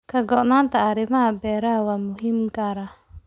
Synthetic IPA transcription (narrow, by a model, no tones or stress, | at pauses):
kʰɐɡɔʔnaːnt̪ʰɐːɾɪmɐɦɐbɛːɾɐɦɐwaːmʊɦiːmɡaːɾɐ